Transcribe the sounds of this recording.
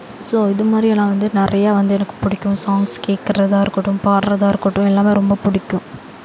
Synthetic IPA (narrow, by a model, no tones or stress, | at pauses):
soːɪðɯmaːd̪ɾiɛlːãːʋɐnd̪ɯnɪɾɐjaːʋɐnd̪ɯɛnɐkːɯ̥pʊɽɪkʲːʊ̃saːŋɡskeːʈ̚kɪɾɐðaːɪɾɯkːɯʈːʊ̃mpaːɾɾɐðaːɪɾɯkːɯʈːʊ̃ɛlːaːmeːɾɔmbɐpʊɽɪkʲːʊ̃